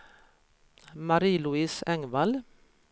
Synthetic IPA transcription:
mɑɾiːlʉiːsɛŋʋɑl

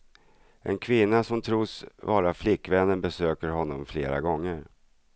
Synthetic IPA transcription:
ʔɛ̰nkʰvɪnːasɔmt̪ʰɾuːsvɑːɾaflɪkːvɛnːənbɛsøːkəɾɦɔnːɔmfleːɾa̰ɡɔŋːəɾ

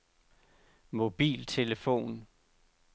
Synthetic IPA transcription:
mo̝b̥ḭːlt͡sʰe̝ləfo̝̰ːn

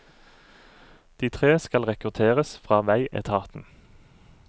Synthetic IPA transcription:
d̪̥iːt̪ʰʁeːskɑlʁɛkʉt̪ʰeːʁəsfʁɑːʋæɪʔɛ̰t̪ʰɑːt̪n̩

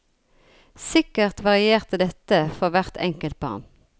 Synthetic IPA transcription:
sɪkəʁt̪ʋɑʁɪeːʁt̪əd̪ɛt̪əfɔʁʋæʁt̪ʰɛ̰ŋkəlt̪̚bɑ̰ʁn

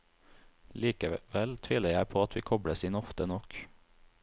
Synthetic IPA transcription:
liːkəʋɛlt̪ʰʋɪːləjæɪpʰoːɑt̪ʋiːkʰɔbɽəsiːnɔft̪ənɔk

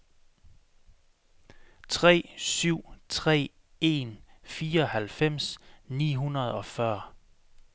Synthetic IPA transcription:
t͡sʰʁɛ̰ːsyʊ̰t͡sʰʁɛ̰ː | e̝nfiːɐɒ̽hælfem̰snḭːɦunɐð̞̩ˠɒ̽fɶɐ

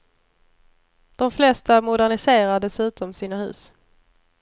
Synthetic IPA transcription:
d̪̥ɔmflɛst̪amʊd̪æɳɪseːɾaɖɛsʉ̟ːt̪ɔmsiːnahʉ̟̰ːs

